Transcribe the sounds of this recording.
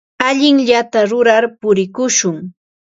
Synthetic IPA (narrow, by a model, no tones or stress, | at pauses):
aʎɪŋʎat̪aɾʊɾaɾpʊɾɪkʊʃʊŋ